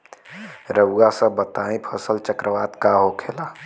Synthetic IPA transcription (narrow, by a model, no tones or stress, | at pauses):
ɾəwɡasə̃bət̪aĩpʰəsəlt͡ʃəkɾəʋaːt̪kaɦokʰela